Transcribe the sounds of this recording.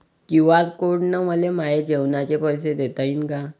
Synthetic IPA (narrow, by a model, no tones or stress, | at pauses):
kiʋad͡zkoɽnəməlemajed͡ʑewnat͡ɕepəjs̬ed̪et̪ainka